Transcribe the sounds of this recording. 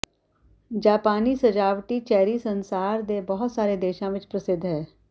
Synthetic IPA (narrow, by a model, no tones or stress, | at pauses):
d͡ʒaːpaːnisɐd͡ʒaːʋʈit͡ʃɛːɾisə̃nsaːɾd̪ebɐɦʊt̪saːɾed̪eːʃãʋɪt͡ʃpɾəsɪd̪ʱɦɛː